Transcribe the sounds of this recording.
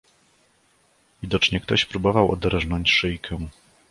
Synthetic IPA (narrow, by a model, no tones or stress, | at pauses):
vʲid̪ɔt͡ʂɲɛkt̪ɔɕpɾubɔvawɔ̰d̪ɛɾɛʐnɔɲt͡ɕʂɘjkʰɛ̃